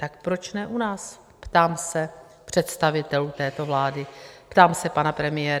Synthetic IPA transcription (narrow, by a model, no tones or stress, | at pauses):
t̪ak̚pɾo̞t͡ʃnɛʔunaːs | pt̪aːmsɛ | pr̝̥ɛt̪st̪avɪt̪ɛlut̪ɛːt̪o̞vlaːdɪpt̪aːmsɛpanapɾɛmɪjɛːɾ